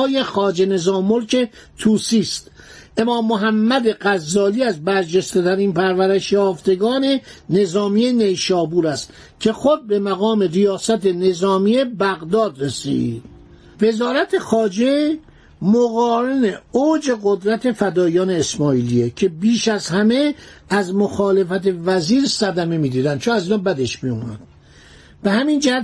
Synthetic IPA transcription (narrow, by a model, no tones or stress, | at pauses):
je̞xɒːd͡ʒe̞ne̞zɒːmːolcʰe̞ | t̪ʰuːsiːst̪ʔe̞mɒːmːoɦæmːæd̪e̞ɣæzːɒːliːæzbæɾd͡ʒest̪e̞t̪ʰæɾiːnpʰæɾvæɾeʃjɒːft̪e̞ɡɒːne̞ne̞zɒːmiːene̞jʃɒːbuːɾæst̪ | cʲʰe̞xod̪̚be̞mæɣɒːme̞rijɒːsæt̪ene̞zɒːmiebæɣd̪ɒːd̪resḭːd̪̥ | ve̞zɒːɾæt̪ʰe̞xɒːd͡ʒe | moɣɒːɾeneoːd͡ʒe̞ɣod̪ɾæt̪ʰe̞fæd̪ɒːijɒːne̞ːsmɒːiːliecʰe̞biːʃæzhæme̞æzmoxɒːle̞fæt̪e̞væziːɾsæd̪æme̞miːd̪iːd̪ænd̪̚t͡ʃʰonæziːnɒːbæd̪e̞ʃmijuːmæ̰d̪̥ | b̥ehæmind͡ʒæhæt̪